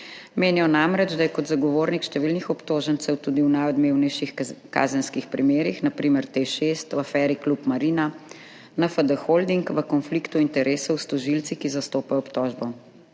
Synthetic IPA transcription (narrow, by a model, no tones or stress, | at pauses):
meːnijɔnamɾɛd͡ʒd̪ajɛkɔd̪zaɡɔʋoːɾnikʃt̪ɛʋiːlnixɔpt̪oːʒənt̪sɛwt̪uːd̪iwnajɔd̪meːwnɛjʃixka̰zənskixpɾimeːɾixnapɾiːməɾt̪eʃest̪wafɛːɾiklupmaɾiːna | nafad̪əxold̪iŋkʋəkɔnflikt̪uint̪ɛɾʔeːsɔwst̪ɔʒilt̪sikizast̪oːpajɔɔpt̪ɔːʒbɔ